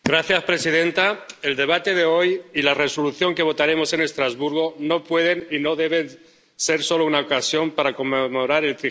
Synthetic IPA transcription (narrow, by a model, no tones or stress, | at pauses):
ɡɾaθjaspɾe̞siðe̞nt̪ae̞ld̪e̞β̞at̪e̞ðe̞o̞jilare̞so̞luθjo̞ŋke̞β̞o̞t̪aɾe̞mo̞se̞ne̞st̪ɾazβuɾɣ̞o̞no̞pwe̞ðe̞nino̞ðe̞β̞e̞n | se̞ɾso̞lounaokasjo̞mpaɾako̞mːemo̞ɾaɾe̞lt̪ɾi